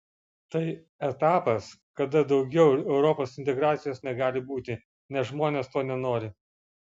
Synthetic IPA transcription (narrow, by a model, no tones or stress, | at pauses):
t̪ɐɪ | ɛt̪ɑːpɐskɐd̪ɐd̪ɒʊɡʲɛʊɛʊɾɔpoːsɪnʲt̪ʲɛɡɾɑːt̪sʲɪjoːsnʲɛɡɑːlʲɪbuːt̪ʲɪ | nʲɛsʒmoːnʲeːst̪oːnʲɛnoːɾʲɪ